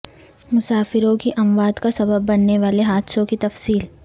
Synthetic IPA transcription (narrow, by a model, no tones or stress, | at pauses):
mʊsaːfɪɾõkiʔɐmʋaːd̪kasɐbəbːɐnːeʋaːleɦaːd̪sõkit̪ɐfsiːl